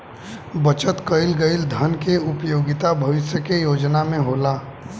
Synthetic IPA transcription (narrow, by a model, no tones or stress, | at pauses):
bət͡ʃət̪kəɪlɡəɪld̪ʱənkeʊpjoːɡɪt̪abʱɐʋɪʃjəkejoːd͡ʒnamẽɦoːlaː